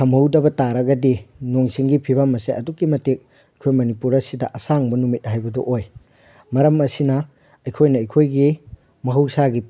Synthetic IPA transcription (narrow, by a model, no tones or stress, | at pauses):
ɐmɐwdɐbɐtaɾɐɡɐdinoŋsiŋɡipʰibɐmɐseʔɐdukːimɐtek̚ | ɐjkʰojmɐnipuɾɐsidɐʔɐsaŋbɐnumit̚hajbɐdoʔoj | mɐɾɐmɐsinɐ | ɐjkʰojnɐːjkʰojɡi | mɐɦɐwsaɡi